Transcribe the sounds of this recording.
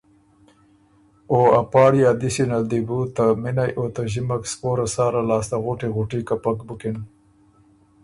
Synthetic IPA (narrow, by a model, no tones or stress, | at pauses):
oapɑːɽjɑd̪isinald̪ibut̪amɪnajʔot̪aʒɪmakspoɾasɑːɾalɑːst̪aɣoʈeɣuʈikapakbʊkɪn